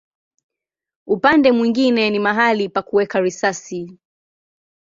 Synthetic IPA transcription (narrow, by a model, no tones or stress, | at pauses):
upandɛmwiŋɡinɛnimaɦalipakuwɛkaɾisasi